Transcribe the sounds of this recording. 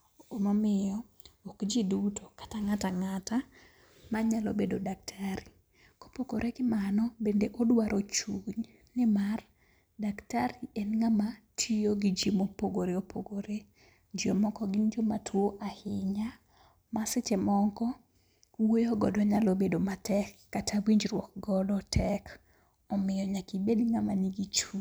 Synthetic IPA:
omamɪjɔ | okd͡ʒidutʰokḁtaŋataŋata | maɲalo̰bedodak̚tʰaɾi | ko̥pokoɾʔeɡɪmanɔbendeʔodwaɾʔot͡ʃuɲ | nɪmar | daktaɾiʔɛnŋamatʰijoɡid͡ʒimopoɡoɾeopʰoɡoɾe | d͡ʒomɔkɔɡind͡ʒomatʰwoʔahɪɲa | masɪt͡ʃemɔŋkɔ | wojoɡɔdɔɲalobedomatʰɛkːatʰawiɲd͡ʒɾwɔk̚ɡɔdɔtʰɛk | ɔmɪjɔɲakibedŋamaniɡit͡ʃuɲ

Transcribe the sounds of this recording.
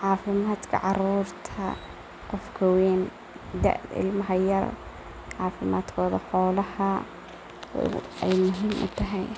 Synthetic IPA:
ʕɑːfɪmaːd̪kʰɐ̰ʕɑɾuːrt̪ʰɐ̰ | qɔfkʰɐwɛːn | d̪ɐ̰ʔɪ̰lmɐɦɐjɐr | ʕɑːfɪmaːd̪kʰɔːðɐ̰ħɔːlɐhɐ | ɛjmʊɦiːmʔʊ̰t̪ʰɐɦɛj

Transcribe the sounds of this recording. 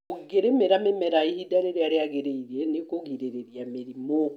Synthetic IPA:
oɣeɾemeɾamemeɾaihidaɾeɾeaɾeaɣeɾeiɾenekoɣiɾeɾeɾiameɾimo

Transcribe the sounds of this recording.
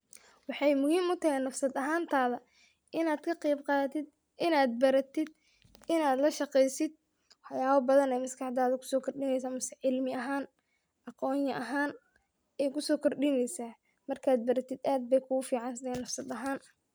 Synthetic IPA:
wɑħɑjmʊhiːmʊt̪ʰɐɦɛjnɐfsɐd̪ɐɦaːnt̪ʰaːðɐ | ʔɪnaːd̪kʰɐqɛjbqɑːt̪ɪd̪ | ʔɪnaːd̪̚bɐɾɐt̪ʰɪd̪ | ɪnaːd̪lɐʃɑqɛjsɪd̪̚ | wɑħjaːβɐbɐðɐnɛjmɐskʰɑħd̪aːðɐkʰʊ̥sɔːkʰɔrɗɪmɛjs̬aːmʊsɪʕɪlmɪɐɦaːn | ɑqɔːɲjɐʔɐɦaːn | ɛjkʰʊsɔːkʰɔrɗɪmɛjsaː | mɐrkʰaːd̪̚bɐɾɐt̪ʰɪd̪ʔaːd̪̚bɛjkʰʊɣʊfiːʕɑnsɪd̪ɛɛnːɐfsɐd̪ɐɦaːn

